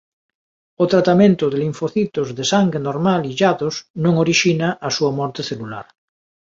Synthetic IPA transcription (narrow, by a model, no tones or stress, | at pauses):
ot̪ɾat̪amẽnt̪oðeliɱfoθit̪ozðesaŋɡɾenoɾmaliʎaðosnõŋoɾiʃinaʔasuamɔɾt̪eθelula̰ɾ